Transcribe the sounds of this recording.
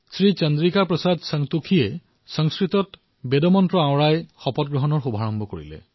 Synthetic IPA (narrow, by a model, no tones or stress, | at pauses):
sɹit͡ʃɔndɹikaɹpɹɔsadsaŋtukʰie | sɔŋskɹitɔt | bedɔmɔntɹɔãw̃ɹajxɔpɔt̚ɡɹɔɦɔnɔɹxubʱaɹɔmbʱɔkoɹḭlɛ̰